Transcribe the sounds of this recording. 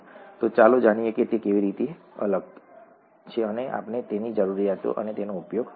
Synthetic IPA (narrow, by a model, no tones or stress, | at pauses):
t̪ot͡ʃaːlod͡ʒaːɽ̃ieket̪ekeʋiɾit̪i | ɐ̰ləɡ | t͡ʃʰeəneʔa̰ːpnet̪enid͡ʒəɾuɾijaːt̪o̰ʔə̰net̪enoʊpjoːɡ